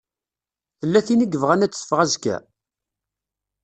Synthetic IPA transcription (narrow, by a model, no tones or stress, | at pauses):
θəlːæθiniɡəvʁænæt͡sːə̥fʁæzkæ̰